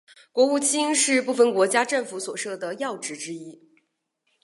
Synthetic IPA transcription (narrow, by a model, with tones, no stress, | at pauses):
kwɔ˧˥u˥˩t͡ɕʰi˥ŋʂɻ̩˥˧pu˥˩fə˧˩nkwɔ˧˥t͡ɕja˥ʈ͡ʂə˥˩nfu˧˥swɔ˨˩ʂɤ˥˩d̪ə˩jɑ˥˩ʊʈ͡ʂɻ̩˧˥ʈ͡ʂɻ̩˥i˥